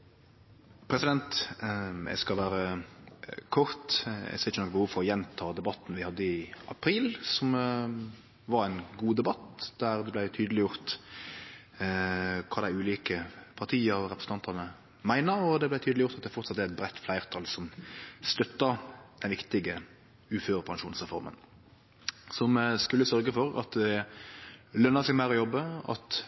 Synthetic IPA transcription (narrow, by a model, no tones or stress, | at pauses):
pʰɾɛsɪd̪ɛnt̪ | ɛ̰ɡskɑlʋæːɾə | kʰʊɾt̪ɛ̰sɪçːənɔkbəhuːʋfɔɾɔjɛnt̪ʰɑːd̪ɛbɑt̪n̩ʋɪhɑd̪ːəɪʔɑpʰɾiːlsɔm | ʋɑɾæɪnɡuːd̪ɛbɑt̪d̪̥æɾd̪ɛblæɪt̪ʰyːd̪əlɪjʊɾt̪ | kʰɑːd̪æɪʉːliːkəpʰɑʁt̪ʰiːəɔɾɛpʰɾəsn̩t̪ɑnt̪ɑnə | mæɪnəɾɔd̪ɛblæɪt̪ʰyːd̪lɪjʊɾt̪ɑt̪d̪ɛfɔʁt̪sɑt̪ːæɾɛt̪̚bɾɛt̪ːflæɪʁt̪ʰɑlsɔmst̪œt̪ːəd̪̥ɛnʋɪkt̪ɪɡə | ʉːføːɾəpʰɑnʃuːnsʁɛfɔɾmə̰n | sɔmskʉlːəsœɾɡəfɔɾɑ̰t̪d̪ɛ | lœnːəsɛɪɡmæɪɾɔjɔbːəɑ̰t̪